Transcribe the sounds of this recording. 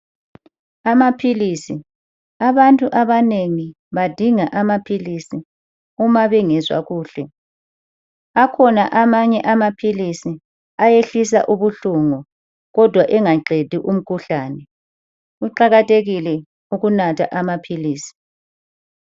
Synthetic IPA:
amapʰilisi | aβantʼuʔaβaneŋi | βad̥ʱiŋaʔamapʰilisi | umaβɛŋɛzwa̰ɣuːɬɛ | akʰɔnaʔamaɲɛʔamapʰilisi | ajeɬis̬a̰ʔuβuɬuŋɔ | ɣɔd̥ʱwaʔɛŋaǃʱed̥ʱiʔum̩kʰuɬaːnɛ | uǃaɣatʼeɣilɛ | uɣunatʰa̰ʔamapʰiliːsi̥

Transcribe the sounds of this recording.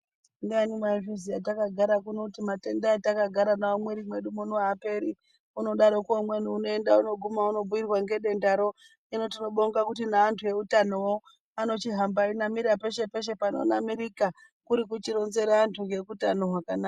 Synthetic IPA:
ndianimaivisijatakaɡʱaɾakunotimate̞ndaetakaɡʱaɾanaamwe̞ɾimwe̞ɗumonoape̞ɾi | uno̞ɗaɾokuomwenuuno̞endauno̞ɡʱumauno̞buirwaŋɡe̞ɗe̞ndaɾo̞ | ino̞tino̞ɓoŋɡakutinaːntʰuje̞utanowo | ano̞t͡ʃiɦambainamiɾape̞ʃe̞pe̞ʃ̬e̞pano̰namiɾika | kuɾik̬ut͡ʃiɾo̞nze̞ɾaantʰuŋɡe̞kutano̞ɦwakanaːka

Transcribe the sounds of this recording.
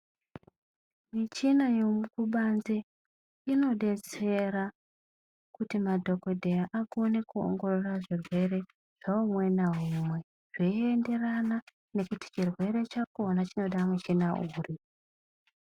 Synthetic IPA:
mit͡ʃinajo̞mukuɓanze | ino̞ɗe̞t͡se̞ɾa | kutimadʱo̞ko̞dʱejaʔakonekuo̰ŋɡo̞ro̞raʐirwe̞re̞ | ʐ̥aumwe̞naɦumwe̞ | ʐ̥eende̞rana | ne̞kuti̥t͡ʃirwe̞ɾe̞t͡ʃaknat͡ʃino̞ɗamut͡ʃinauri

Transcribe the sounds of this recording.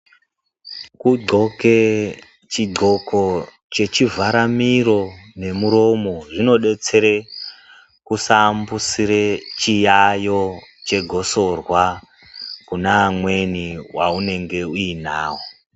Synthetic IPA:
kuɡ͡ǀʱo̞ke | t͡ʃiɡ͡ǃʱo̞ko̞ | t͡ʃe̞t͡ʃivʱaɾamiro̞ne̞muɾo̞mo̞ʐino̞ɗe̞t͡se̞ɾe | kusambusiɾet͡ʃijajo̞t͡ʃe̞ɡʱo̞so̞rwa | kunaːmwe̞niwaune̞ŋɡe̞uina̰ːwo

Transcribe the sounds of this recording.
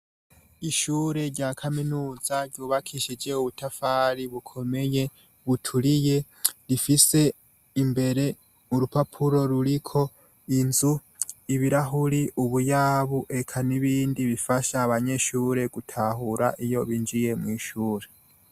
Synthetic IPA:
iʃuːɾe̞ɾɟakʰaminuːz̥aɟuːβakʰiʃed͡ʒeuβutʰafaːɾiβukʰo̞me̞je̞ | βutʰuɾije̞ | ɾifise̞ | imbe̞ɾe̞ | uɾupapʰuɾo̞ɾuɾikʰo̞ | inzu | iβiɾaɦuɾiʔuβujaβuʔe̞kʰaniβiːndiβifaʃaːβaɲe̞ʃuːɾe̞ɡutʰahuɾa̰ʔijo̞βind͡ʒije̞mŋwiːʃuːɾe

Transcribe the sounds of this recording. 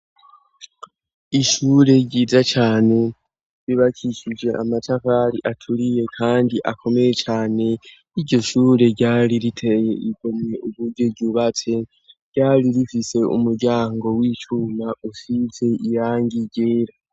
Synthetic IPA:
iʃuːɾe̞ɟiːzat͡ʃaːne̞ | ɾiβakʰit͡ʃid͡ʒeamatafaɾiʔatʰuɾije̞kʰaːndiʔakʰo̞me̞je̞t͡ʃaːne̞ | iɾɟo̞ʃuːɾe̞ɟaːɾiɾitʰe̞je̞iɡo̞mɲe̞ʔuβuɾɟo̞ɟuβat͡se̞ | ɾɟ̥aːɾiɾifise̞ṵmuɾɟaːŋɡo̞wit͡ʃumausize̞ijaːŋɡiɟe̞ːɾa

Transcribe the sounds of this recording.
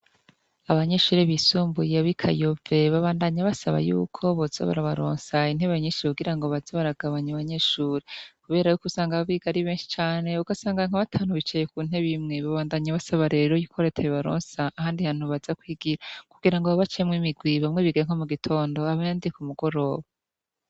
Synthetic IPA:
aβaɲe̞ʃuːɾeβisuːmbujeβikʰa̰jove̞βaβaːndaɲaβasaβa̰jṵːkʰo̞βozo̰βa̰ɾaβaɾo̰ːnsain̥he̞βaɲiːnʃiuɡiɾaŋɡo̞βazaβaɾaɡaβaɲaaβaɲe̞ʃuːɾekuβe̞ːɾajukusaːŋɡaββiɡaɾiβe̞ːnʃi̥t͡ʃaːne̞uɡasaːŋɡaŋ̥aβatʰaːnuβit͡ʃejekuːn̥he̞βimŋe̞βaβaːndaɲaβasaβaɾe̞ːɾojikʰo̞ɾetʰejoβaɾo̰ːnsaʔːhaːndihaːn̥huβazakwiːɡiɾakuɡiɾaŋɡoβaβat͡ʃemŋimiɡwiβamŋe̞βiɡiɾeŋ̥o̞muɡitʰo̞ːndo̞aβajaːndiekumuɡo̞ɾo̞ːβa

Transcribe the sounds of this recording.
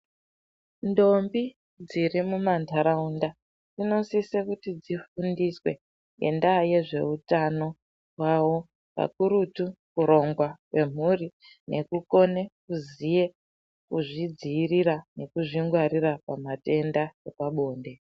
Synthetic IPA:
ndo̞mbi | d͡ziɾimumantʰaɾaunda | d͡zino̞sisekutid͡zifundiswe̞̰ | ŋḛndaje̞ʐe̞utano̞ | wawo̞ | pa̰kuɾutukuɾo̞ŋɡwakwe̞m̤uri | ne̞̰kuko̞ne̞kuzije | kuʐid͡ziːriɾane̞kuʐiŋɡwaɾirapamate̞ndajepaɓo̞ːnde̞

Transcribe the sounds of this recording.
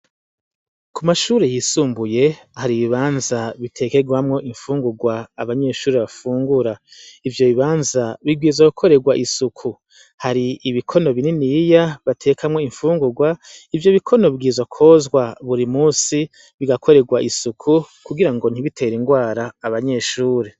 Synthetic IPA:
kumaʃuːɾejisuːmbuje̞haɾiβiβaːnzaβitʰe̞ke̞ɡwamŋo̞ʔiɱfuːŋɡuɡwaːβaɲe̞ːʃuːɾeβafuːŋɡuɾaivjo̞βiβaːnzaβiɡiːzwakukʰo̞ɾe̞ɡwaʔisukʰu | haɾiːβikʰo̞no̞βininijaβatʰe̞kʰamŋo̞iɱfuːŋɡuɡwaivjoβikʰo̞no̞βiɡiːzwakʰo̞zɡwaβuɾimuːsi | βiɡakʰo̞ɾe̞ɡwaʔisukʰu | kuɡiɾaŋɡo̞n̥iβitʰe̞ɾiŋɡwaːɾaːβaɲe̞ʃuːɾe

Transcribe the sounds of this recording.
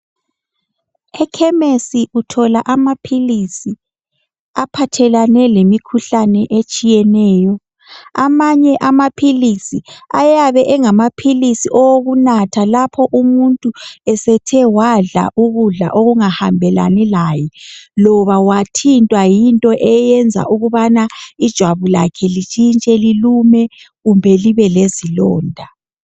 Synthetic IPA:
ɛkʰɛmesiutʰɔlaʔamapʰilisi | apʰatʰɛlanɛlemikʰuɬanɛʔet͡ʃʼijɛnɛːjɔ | a̰maɲɛʔamapʰilisia̰jaβɛʔɛŋamapʰilisiʔɔwoɣunatʰalapʰɔʔumuntʼuɛsɛtʰɛwaɮa̰ʔuɣuɮa̰ʔoɣuŋahambʱɛla̰nɛlaːjɛlɔβawatʰintʼwajintʼɔʔɛjɛnd͡zʱa̰ʔuɣuβanaid̥ʒ̥ʱwaβula̰kʰɛlit͡ʃʼint͡ʃʼɛlilumɛ | ɣumbʱɛliβɛlezilɔːndʱa

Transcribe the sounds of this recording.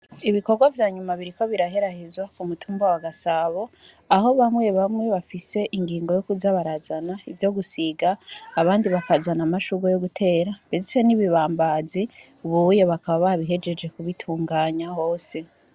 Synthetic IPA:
iβiko̞ɾɡwavjaːɲumaβiɾiko̞βiɾaɦe̞ɾahezwakumutʰuːmbawaɡasaːβo̞ | aɦo̞βamwe̞βamŋwe̞βafise̞ʔiŋɡiːŋɡo̞jokuzaβaɾazanaivjo̞ɡusiɡaːβaːndiβakazanamaʃuɡojo̞ɡutʰe̞ːɾabed͡zise̞niβiβaːmbaːzi | uβujoβakaβaβaβiɦe̞d͡ʒe̞d͡ʒe̞kuβitʰuːŋɡaːɲaho̞ːse̞

